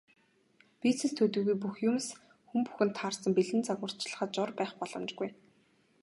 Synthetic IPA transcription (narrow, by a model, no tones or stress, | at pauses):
pit͡sɘ̆st̪ʰɵt̪ɵːɣujp̬uxjʊms | xumpu̥xɘ̆nt̪ʰːaːrsə̆mpiɮɘ̆nt͡saɣwə̆r̥t͡ɕɮə̥̆χə̆t̪̚t͡ɕʊrpæːχpɔɮɞ̆mt͡ɕɡuj